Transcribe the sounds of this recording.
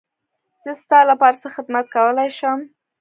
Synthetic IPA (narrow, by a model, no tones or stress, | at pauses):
z̥əst̪ɑlapɑɾasaxɪd̪mat̪̚kawəlajʃəm